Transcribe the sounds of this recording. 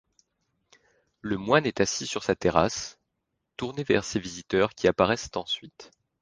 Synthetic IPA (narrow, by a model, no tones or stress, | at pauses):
ləmwanɛt̪asisyʁsat̪eʁas | t̪uʁnevɛ̰ʁsevizit̪œʁkʲiapaʁɛst̪ɑ̃sɥit̪